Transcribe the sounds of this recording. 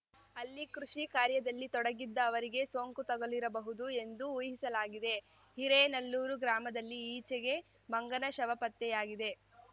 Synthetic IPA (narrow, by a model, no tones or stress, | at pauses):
ɐlːikɾuʂikaːɾjɐd̪ɐlːit̪ɔɽɐɡid̪ːɐːʋɐɾiɡe̞soːŋkut̪ɐɡoliɾɐbɐɦud̪ue̞nd̪uujɦisɐlaːɡid̪e̞ | hiɾenɐlːuːɾuɡɾaːmɐd̪ɐlːiːt͡ʃɛɡe̞ | mɐŋɡɐnɐʃɐʋɐpɐt̪ːɛjaːɡid̪e̞